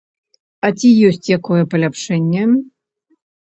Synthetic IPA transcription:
ɐt͡sʲijɔsʲt͡sʲjakɔjɛpɐlʲapʂɛnʲːɛ

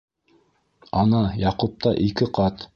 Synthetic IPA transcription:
ɑnɑjɑqup̚t̪ɑʔikɘqɑt̪

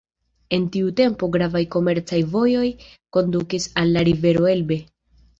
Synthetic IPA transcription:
e̞ntiute̞mpo̞ɡɾavajko̞me̞ɾt͡sajvo̞jo̞jko̞ndukisalːaɾive̞ɾo̞e̞lbe̞

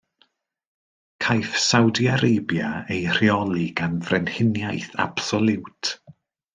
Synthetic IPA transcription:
kʰajfsawdjaɾejbjaejr̥iɔlˠiɡ̥anvrɛnhɪnjajθa̰b̥sɔlˠɪwtʰ

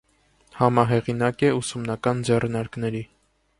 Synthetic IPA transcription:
hɑmɑɦɛʁinɑkɛusumnɑkɑnd͡zɛrnɑɾknɛɾi

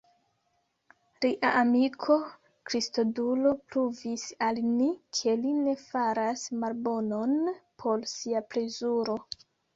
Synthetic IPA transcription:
ɾiʔaʔamikʰo̞ | kɾistodulo̞pɾuvisalnikʰe̞line̞faɾasmalbo̞no̞npʰo̞lsiapɾe̞zuɾo̞

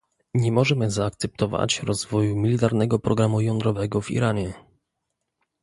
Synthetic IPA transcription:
ɲɛmɔʐɛmɘzaːk̚t̪sɛp̚t̪ʰɔva̰t͡ɕɾɔzvɔjumʲilʲit̪aɾnɛɡɔpɾʔɔɡɾamujɔnd̪ɾɔvɛɡɔvḭɾaɲɛ

